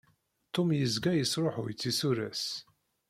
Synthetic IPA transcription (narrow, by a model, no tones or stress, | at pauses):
t̪ːomjəzɡæjəsɾˤoħʊjt͡sːisuɾæ̰s